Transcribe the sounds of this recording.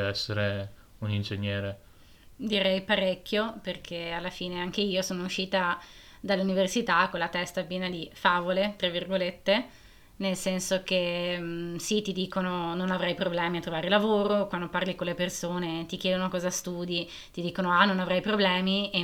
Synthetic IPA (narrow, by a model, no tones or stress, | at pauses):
ɛsːeɾe | unind͡ʒeɲːjɛːɾe | d̪iɾɛjpaɾɛkʲːjoperkʰealːafiːneaŋkeiːosoːnouʃːiːt̪a | d̪alːuniversit̪akonlat̪ɛst̪apjɛːnad̪ifaːvolet̪ɾavːirɡolet̪ːe | nelsɛnsok̟e | sit̪id̪iːkonononavɾajpɾoblɛːmiat̪ːɾovaːɾelavoːɾokwand̪oparlikonlepersoːnet̪ikjɛːd̪onokɔːzast̪uːd̪i | t̪id̪iːkonoanonavɾajpɾoblɛːmie